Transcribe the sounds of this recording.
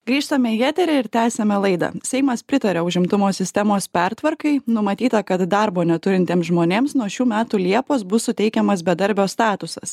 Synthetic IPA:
ɡɾʲiːʃt̪ɐmʲɛjæːt̪ʲɛɾʲɛɪɾt̪ʲæːsʲɛmʲɛlˠɐɪd̪ɐ̰sʲɛɪmɐspʲɾʲɪt̪ɐɾʲɛʊʒʲɪmt̪ʊmoːsʲɪsʲt̪ʲɛmoːspʲɛɾt̪ʋɐɾkɐɪnʊmɐt̪ʲiːt̪ɐkɐt̪d̪ɑɾboːnʲɛt̪ʊɾʲɪnʲt̪ʲeːmsʒmoːnʲeːmsnuɔʃʲuːmʲæːt̪uːlʲiɛpoːsbʊssʊt̪ʲɛɪkʲɛmɐsbʲɛd̪ɐɾʲbʲoːst̪ɑːt̪ʊsɐs

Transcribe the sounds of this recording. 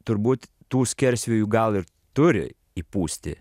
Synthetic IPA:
t̪ʊɾbuːt̪ | t̪uːsʲkʲɛɾʲsʲʋʲuːjuɡɐlˠɪɾ | t̪ʊɾʲɪ̰ | ipuːsʲt̪ʲɪ̰

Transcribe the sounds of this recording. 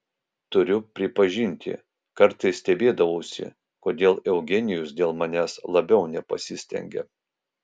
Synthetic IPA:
t̪ʊɾʲʊpʲɾʲɪpɐʒʲɪnʲt̪ʲɪ̰ | kɐɾt̪ɐɪsːʲt̪ʲɛbʲeːd̪ɐʋɐʊsʲɪ̰ | koːd̪ʲeːlˠɛʊɡʲɛnʲɪjʊsd̪ʲeːlˠmɐnʲæːslˠɐbʲɛʊnʲɛpɐ̰sʲɪsʲt̪ʲɛ̰ŋʲɡʲɛ̰

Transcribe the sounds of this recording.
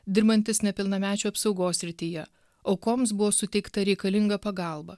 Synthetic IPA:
d̪ʲɪɾbɐnʲt̪ʲɪsnʲɛpʲɪlˠnɐmʲæːt͡ʃʲuːɐpsɒʊɡoːsʲɾʲɪt̪ʲiːjɛ | ɒʊkoːms̬bʊʋoːsʊt̪ʲɛɪkt̪ɐɾʲɛɪkɐlʲɪŋɡɐpɐɡɑˑlˠbɐ

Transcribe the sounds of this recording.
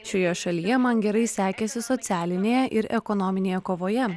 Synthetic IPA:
ʃʲoːjɛʃɐlʲijɛmɐnɡʲɛɾɐɪsʲæːkʲɛsʲɪsɔt̪ʲæːlʲɪnʲeːjɛʔɪɾɛkɔnɔmʲɪnʲeːjɛkoːʋoːjɛ

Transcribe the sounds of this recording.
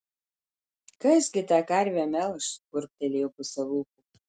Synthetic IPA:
kɐsɡʲɪt̪ʲɑːkɐɾʲʋʲæmʲɛlˠʃkʊɾʲp̚ʲt̪ʲɛlʲeːjɛʊpʊsʲɛlˠuːku

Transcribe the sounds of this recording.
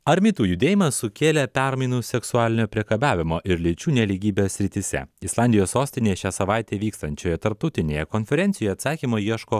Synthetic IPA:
ɐɾʲmʲɪt̪uːjʊd̪ʲeːjɪmɐsʊkʲeːlʲɛpʲæɾmɐɪnuːsʲɛksʊɑːlʲɪnʲoːpʲɾʲiɛkɐbʲæːʋʲɪmoːʔɪɾlʲɪt͡ʃʲuːnʲɛlʲiɡʲiːbʲesʲɾʲɪt̪ʲɪsʲɛ̰ɪslˠɑˑnʲd̪ʲɪjoːssoːsʲt̪ʲɪnʲeːjɛʃʲæːsɐʋɑɪt̪ʲeːʋʲiːkst̪ɐnʲt͡ʃʲoːjɛt̪ɐɾp̚t̪ɐʊt̪ʲɪnʲeːjɛkoːnʲfʲɛɾʲɛnt̪ʲɪjojɛɐt̪sɑːkʲiːmoːjiɛʃkoː

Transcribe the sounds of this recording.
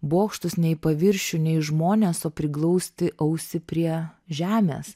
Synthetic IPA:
boːkʃt̪ʊsnʲɛɪpɐʋʲɪɾʲʃʲʊnʲɛɪʒmoːnʲeːsoːpʲɾʲɪklˠɔʊsʲt̪ʲɪʔɐʊsʲɪpʲɾʲiɛʒʲæːmʲḛːs

